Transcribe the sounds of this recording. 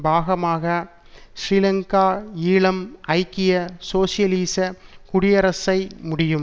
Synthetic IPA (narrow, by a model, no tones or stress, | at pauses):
bʱaːɣɐmaːɣɐ | sɾiːlɐŋkaːiːɭɐmʔɐɪkːɪjɐsoːsɪjɐliːsɐkʊɽɪjɐɾɐsɐɪmʊɽɪjɯm